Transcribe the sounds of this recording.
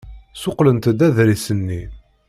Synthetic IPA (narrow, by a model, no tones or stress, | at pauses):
sʊqlənt̪d̪æðɾisənːi